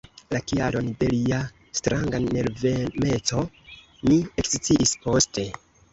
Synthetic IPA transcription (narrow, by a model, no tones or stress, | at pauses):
lakialo̞nde̞lia | stɾaŋɡaneɾveme̞t͡so̞ | niekst͡siʔispo̞ste̞